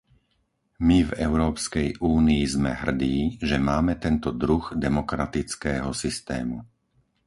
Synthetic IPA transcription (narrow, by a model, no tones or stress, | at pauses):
mivɛʊɾɔːpskɛjʔuːniizmɛ̰ɦr̩d̪iːʒɛmaːmɛt̪ɛnt̪ɔd̪ɾuɣd̪ɛmɔkɾat̪it͡skɛːɦɔsist̪ɛ̰ːmu